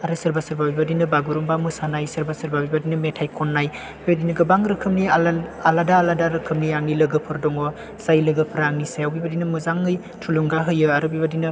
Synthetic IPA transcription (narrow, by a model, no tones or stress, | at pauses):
aɾɯsɐɾbasɐɾbabibadinɯbaɡuɾumbamɯsanajsɐɾbasɐɾbabibadinɯmetʰajkʰɔnːaj | bibadinɯɡɯbaŋɾɯkʰɯmnialadaːladaɾɯkʰɯmniaŋnilɯɡɯpʰɯɾdɔŋɔ | sajlɯɡɯpʰɾaŋnisajawbibadinɐmɯzaŋːɯj | tʰuluŋɡaɦɯjɯaɾɯbibadinɯ